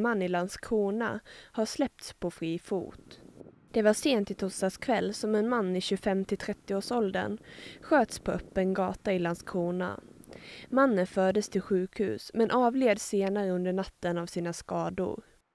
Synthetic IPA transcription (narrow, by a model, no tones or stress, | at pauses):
manːɪlanskʰuːna̰haʂlɛp̚t̪spʰɔfɾiːfṵːt̪ | d̪̥ɛvaʂeːnt̪ɪt̪ʰɔst̪askʰvɛlːsɔmɛnmanːɪɕɵfɛmt̪ʰɪt̪ʰɾɛt̪ːɪoːʂɔld̪ə̰nɧøːt̪spʰɔœpːənɡɑ̰ːt̪aɪlanskʰuːna̰ | manːənfœːɖ̪əst̪ʰɪlɧʉ̟ːkhʉ̟ːsmɛnʔɑːvleːd̪seːnaɾəɵnd̪əɳat̪ːənavsiːnaskɑːd̪ʊ̰ɾ